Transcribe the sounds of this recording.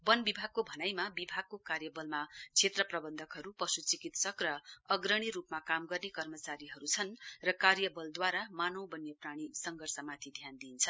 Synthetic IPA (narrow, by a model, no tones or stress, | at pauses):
bʌnbibʱaɡ̚kobʱʌnajmabibʱaɡ̚kokarjʌbʌlmat͡sʰet̪rʌprʌbʌnd̪ʱʌkɦʌɾupʌsut͡sikit̪sʌkrʌʌɡrʌɽ̃iɾupmakamɡʌrnekʌrmʌt͡saɾiɦʌɾut͡sʰʌnrʌkarjʌbʌld̪waɾamanowbʌnjʌpraɽ̃isʌŋɡʱʌrsʌmat̪ʰid̪ʱjand̪iːnt͡sʰʌ